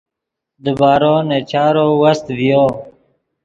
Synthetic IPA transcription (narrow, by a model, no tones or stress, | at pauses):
d̪əbaːɾoːnet͡ʃaːɾowɐst̪vjo